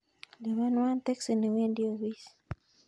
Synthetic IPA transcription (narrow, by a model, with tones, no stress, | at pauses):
le˨ma˦nwa˦nt̪ɛ˦ksi˨ne˨we˦ndi˦o˨wi˦s